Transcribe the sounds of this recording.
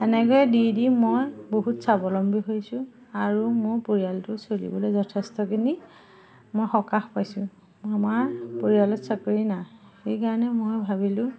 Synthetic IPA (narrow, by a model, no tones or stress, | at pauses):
ɛnɛɡojɛdidimojboɦutsabɔlɔmbʱiɦojsʊ̃ | aɹumʊjpoɹijaltʊsolḭbɔlejzɔtʰɛstɔkini | mojxɔkaxpajsʊ̃ | amaɹpoɹijalɔtsɔkoɹinaxejkaɹɔnɛmojbʱabilʊ̃